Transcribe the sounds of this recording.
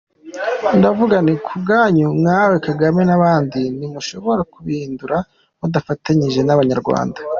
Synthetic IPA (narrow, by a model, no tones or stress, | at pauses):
ndavuɡanikʰubɡaːɲumŋaːwe̞kaɡamenaβaːndinimuʃo̞βo̞ɾakuβiːnduɾa | mudafataɲiʒe̞naβaɲaɾɡwa̰ːnda